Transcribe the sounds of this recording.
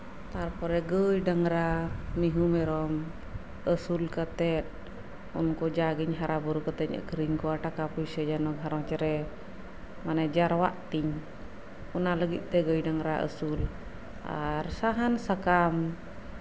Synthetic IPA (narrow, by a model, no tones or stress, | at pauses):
t̪arpɔɾɛɡəidaŋɾamiɦumɛɾɔm | əsulkət̪ɛt̪̚ | ṵnkɔd͡ʒaɡiɲɦaɾabuɾukət̪ɛɲə̰kəɾiɲkuaʈakapusəd͡ʒanɔɡɦaɾɔŋt͡ʃəɾɛ | maned͡ʒaɾwaʔt̪iŋ | unaləɡiʔt̪ɛɡəjdaŋɾaʔə̰sul | a̰rsaɦansakam